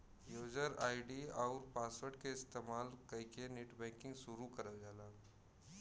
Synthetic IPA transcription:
joːd͡ʒəɾaːɪɖiɔːɾpaːswəɾʈ̚keɪst̪eːmaːlkɐikeneʈbɛ̃ːŋkɪ̃ŋɡsʊɾukɐɾəd͡ʒaːlaː

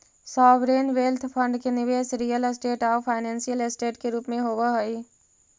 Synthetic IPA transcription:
sɔːʋɾeːnʋeːlt̪ʰpʰə̃ɳɖkenɪʋeːsɾijəlsʈeːʈaːpʰaːɪnɛ̃ːnsijəlɪsʈeːʈkeɾuːpmẽɦoːʋaɦəi

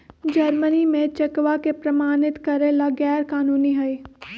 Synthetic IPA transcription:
d͡ʒɐɾmənimẽt͡ʃɐkʋakepɾɐmaːnɪt̪kɐɾelaɡɛːɾkaːnuːniɦɐi

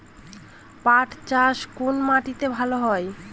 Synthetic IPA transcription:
paʈʰt͡ɕaʃkunmaʈit̪ebʱaloɦɔe

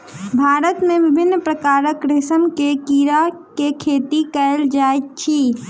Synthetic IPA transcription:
bʱaɾət̪mebɪbʱɪnːpɾəkaɾəkɾesəmkekiɾakekʰet̪ikəeld͡ʒajt̪t͡ʃʰi

